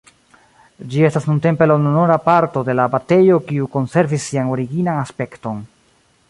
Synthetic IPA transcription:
d͡ʒie̞stasnunte̞mpe̞lanonoɾapaɾto̞de̞labate̞jo̞kiuko̞nse̞ɾvisːiano̞ɾiɡinanaspe̞kto̞n

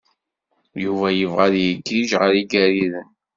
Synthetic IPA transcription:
juvæjəvʁæðjiɡiʒʁəɾiɡæɾiðən

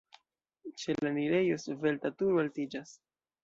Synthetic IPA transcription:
t͡ʃe̞laniɾe̞jo̞sve̞ltatuɾualtid͡ʒas

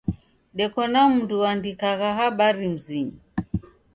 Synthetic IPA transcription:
ɗɛkɔnam̩nduwandikaɣaɦaɓaɾim̩ziɲi

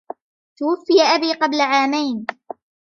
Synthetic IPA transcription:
t̪ʊwafːɪjaʔabiːqɑblaʕaːmajn

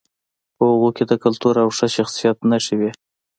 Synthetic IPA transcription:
pəɣokʲed̪əkalt̪uɾawʂəʃaxsijat̪naʃəwi

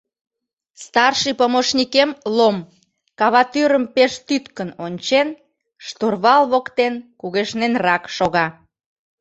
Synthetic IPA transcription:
st̪ɑrʃipomoʃnikemlom | kɑβɑt̪yɾəmpeʃt̪yt̪kənonʲt͡ɕen | ʃt̪urβɑlβokt̪enkuɣeʃnenrɑkʃoɣɑ

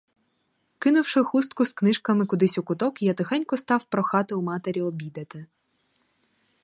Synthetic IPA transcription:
kɪnʊwʃɪxust̪̚kʊsknɪʃkɐmɪkʊd̪ɪsʲʊkʊt̪ɔkijɐt̪ɪxɛnʲkɔst̪ɑwpɾɔxɑt̪ɪumɑt̪eɾʲiɔbʲid̪ɐt̪ɪ

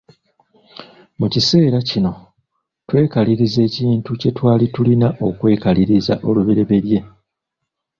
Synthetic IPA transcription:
mucise̞ːɾacino̞ | twe̞ːkaliɾize̞ːciːntuce̞twaːlitulinaʔo̞kwe̞ːkaliɾiza̰ʔo̞luβiɾe̞βe̞ɾje̞

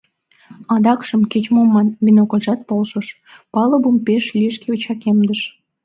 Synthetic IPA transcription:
ɑd̪ɑkʃəmket͡ɕmomːɑnvʲinokolʲʒɑt̪̚polʃəʃ | pɑləbumpeʃlʲiʃ̬keut͡ɕɑkemd̪əʃ

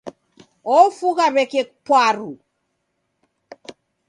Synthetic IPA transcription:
ɔfuɣaβɛkek̚pwaɾu

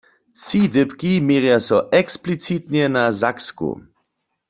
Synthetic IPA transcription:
sidɪpkimeːʁjasɔʔɛksplit͡s̪it̪ɲɛnazakskṵ

